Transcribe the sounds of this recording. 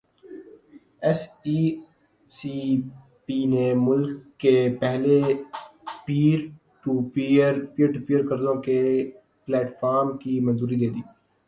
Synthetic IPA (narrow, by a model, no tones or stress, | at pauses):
ɛsi | si | piːnemʊlkːepɛɦle | piːɾ | ʈupːəɾpiːəɾʈupiəɾkəɾzõke | plɛːʈfʰaːɾmkimənzuːɾid̪eːd̪iː